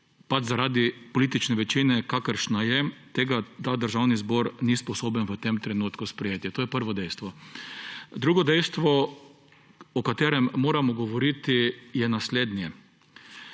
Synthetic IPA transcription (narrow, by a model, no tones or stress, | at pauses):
pad͡ʒzaɾaːd̪ipoliːt̪it͡ʃnɛʋɛt͡ʃinɛkakəɾʃnajɛt̪eːɡat̪aːd̪əɾʒawnizboːɾnispɔsoːbənʋət̪emt̪ɾɛnut̪kuspɾɛjeːt̪jɛt̪oːjɛpəɾʋɔd̪ɛjst̪ʋɔ | d̪ɾuːɡɔd̪ɛjst̪ʋɔ | ɔkat̪eːɾɛmːoːɾamɔɡɔʋɔɾit̪ijɛnasleːd̪njɛ